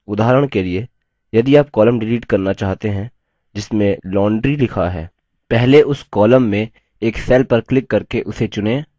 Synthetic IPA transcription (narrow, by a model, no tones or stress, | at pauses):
ʊd̪aːɦɾəɽ̃kelie | jɐd̪iaːp̚kɔːləmɖɪliːʈkɐɾnat͡ʃaːɦt̪eɦɛ̃ | d͡ʒɪsmẽlɔːɳɖɾilɪkʰaɦɛ̰ː | pɛɦleʔʊskɔːləmːẽ | eːksɛːlpɐɾklɪkːɐɾkeʔʊset͡ʃʊnẽː